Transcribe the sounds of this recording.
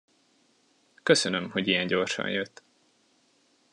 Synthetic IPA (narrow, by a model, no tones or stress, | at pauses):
køsønømho̞ɟijɛɲɟo̞rʃɒ̰njøt̪ː